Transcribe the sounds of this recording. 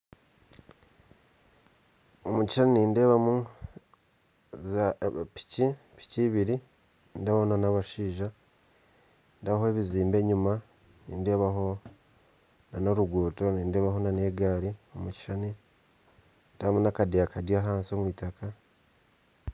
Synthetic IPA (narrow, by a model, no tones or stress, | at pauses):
omuci̥ʃaniniːnde̞ːβamu | zapi̥ci | pi̥ciːβiɾi | niːnde̞ːβamunanaβaʃiːʒa | ndaβahoeβiziːmbe̞ːɲuma | nḭːnde̞ːβaɦo̞ | nanoɾuɡwoːto̞niːnde̞ːβaɦo̞nane̞ːɡaːɾiomuci̥ʃani | ndaβamunakadeakʰadjaːɦaːnsio̞mwiːtaka